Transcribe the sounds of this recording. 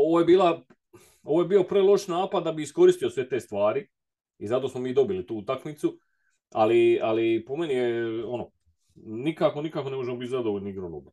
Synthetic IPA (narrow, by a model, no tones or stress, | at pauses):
o̞ʋojebiːlˠa | o̞ʋoːje̞biːo̞pɾelˠo̞ʃnaːpad̪d̪ːabiisko̞ɾist̪io̞sʋe̞t̪e̞ːst̪ʋaːɾi | izat̪o̞ːsmo̞miːd̪o̞bilit̪uːut̪akmit̪su | a̰lialipo̞me̞nijeo̞noː | nikako̞nikaːko̞nemo̞ʒemobit̪zad̪oʋoʎniɡɾono̰ba